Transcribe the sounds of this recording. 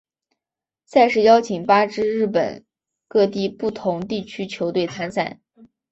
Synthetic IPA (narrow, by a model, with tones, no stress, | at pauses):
sa˥˧ɪʂɻ̩˥˩jɑ˥ʊt͡ɕʰi˨˩ŋpa˥ʈ͡ʂɻ̩˥ɻɻ̩˥˩pə̰˨˩n | kɤ˥˧t̪i˥˧pu˥˩t̪ʰʊ˧˥ŋt̪i˥˩t͡ɕʰy˥t͡ɕʰjo˧˥ʊt̪we˥˩ɪt͡sʰa˥nsa̰˥˩˦